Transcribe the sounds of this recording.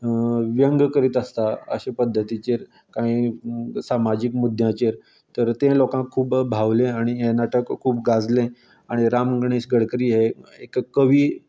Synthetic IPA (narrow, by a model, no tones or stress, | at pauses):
ʋjəŋɡkəɾiːt̪əst̪aə̰ɕepəd̪ʱːət̪it͡ɕeɾ | kaisamad͡ʑikmud̪ʱjãt͡ɕeɾ | t̪əɾt̪ẽlokãkʰːuːpbʱaʋlẽaɽ̃ienaʈəkʰːuːpɡad͡zlẽ | aɽ̃iɾamɡɽ̃eɕɡəɽkɾiːɦeekkːəʋiː